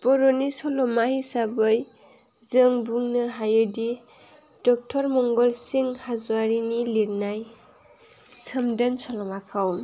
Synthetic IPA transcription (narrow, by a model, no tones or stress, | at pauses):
pɔɾɔnisɔlɔmahisabɯj | zɯŋbuŋnɯɦajɯdi | d̥ɔk̚tʰɔɾmɔŋɡɔlsiŋhazwaɾiniliɾnaj | sɯmdɯnsɔlɔmakʰaw